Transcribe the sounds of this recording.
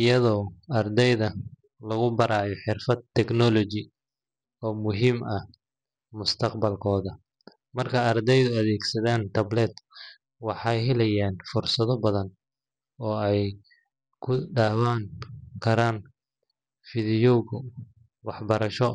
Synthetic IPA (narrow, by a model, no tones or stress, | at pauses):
ɪjɐðɔːɐrd̪ɛjðɐ | lɐɣʊbɐɾaːjɔħɪrfɐd̪t̪ʰːɛɡnɔlɔt͡ʃɪ | ɔːmʊɦiːmɐh | mʊst̪ʰɐqbɐlkʰɔːðɐ | mɐrkʰɐɐrd̪ɛjðʊɐðɛːɡsɐðaːnt̪ʰɐblɛd̪ | wɑħɑjɦɛlɛjaːnfʊrsɐðɔbɐðɐn | ɔːɛj | kʰʊɖaːwaːŋkʰɐɾaːn | fɪðɪjɔɣ | wɑħbɐɾɐʃɔ